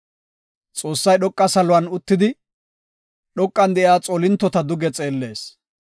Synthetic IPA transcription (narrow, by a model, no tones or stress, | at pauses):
t͡sʼo̞ːsːɐjɗɔkʼːɐsɐlʊwɐnʊt̪ːɪd̪ɪ | ɗɔkʼːɐnd̪ɛʔjaːt͡sʼɔlɪnt̪ːɔt̪ɐd̪ʊɡɛt͡sʼe̞ːlːe̞ːs